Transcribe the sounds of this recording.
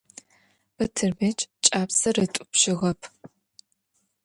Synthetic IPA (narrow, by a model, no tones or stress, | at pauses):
b̥ɐtʰɨrmeːt͡ʃʼt͡ʃʼaːpsɐrɨtʷʼʊpʃɪʁɐpʰ